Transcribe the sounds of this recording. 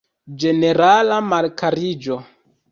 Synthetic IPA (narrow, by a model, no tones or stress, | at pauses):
d͡ʒene̞ɾalamalkaɾid͡ʒo